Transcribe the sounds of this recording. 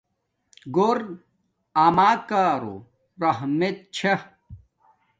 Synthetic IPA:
ɡoɾ | amaːkaːɾo̰ | ɾɐɦmet̪̚t͡ɕʰe

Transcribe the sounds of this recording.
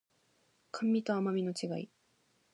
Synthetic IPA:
kʰãmʲːit̪oamamʲino̞t͡ɕiɡai

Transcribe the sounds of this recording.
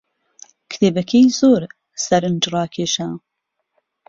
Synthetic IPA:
kt̪ʰeːbɐkʰejzoːɾ | sɐɾɨnd͡ʒɾɑːkʰeːʃa

